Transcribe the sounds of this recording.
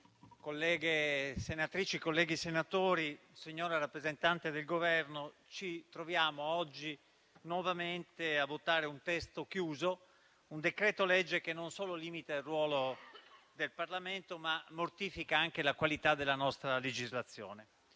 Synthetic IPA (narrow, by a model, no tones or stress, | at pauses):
kolːɛːɡesenat̪ɾiːt͡ʃikolːɛːɡisenat̪oːɾi | siɲːoːɾaɾapːɾezent̪ant̪ed̪elɡovɛrnot͡ʃit̪ɾovjaːmoɔd͡ʒːi | nwɔvament̪eavːot̪ːaːɾeunt̪ɛst̪okjuːzo | und̪ekɾɛːt̪olɛd͡ʒːek̟enːonsoːloliːmit̪ailrwɔːlo | d̪elparlament̪omamːort̪iːfikaaŋk̟elakwalit̪ad̪elanɔst̪ɾaled͡ʒizlat̪sːjo̰ːne